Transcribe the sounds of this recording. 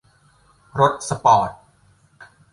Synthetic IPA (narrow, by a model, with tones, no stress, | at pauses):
ɾo˦˥t̪̚sa˧pɔː˨˩t̪̚